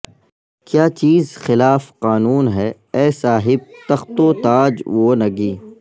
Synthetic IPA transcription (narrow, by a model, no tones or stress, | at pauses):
kjaːt͡ʃiːzxɪlaːfqaːnuːnɦɛː | ɛːsaːɦɪb̚t̪ɐxt̪õːt̪aːd͡ʒʋoːnɐɡiː